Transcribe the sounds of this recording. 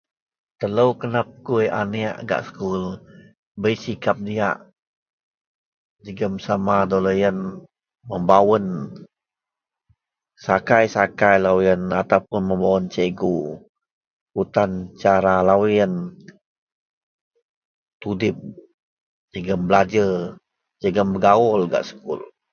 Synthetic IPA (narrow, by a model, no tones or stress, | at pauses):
t̪ələwkənap̚kujʔa̰nia̰ʔɡa̰ʔsə̥kul | bəjsikap̚diaʔ | d͡ʒəɡəmsamadoləjən | məmbawən | sakajsakajlawjənat̪awpʊnməmbawənt͡ʃəɡu | ut̪ant͡ʃaɾalawiən | t̪udɪp̚ | d͡ʒəɡəmbəlad͡ʒə | d͡ʒəɡəmbəɡaɔlɡa̰ʔsə̥kʊ̰l